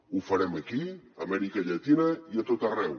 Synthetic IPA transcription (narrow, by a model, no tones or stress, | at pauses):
ufəɾɛməkiəmɛɾikəʎat̪inəiət̪ot̪ərɛw